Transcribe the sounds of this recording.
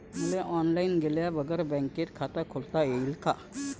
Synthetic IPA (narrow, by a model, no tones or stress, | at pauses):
muleʔɔnlainɡeljabəɡəɾebɛ̃ŋket̪kʰat̪əkʰolt̪ajeilka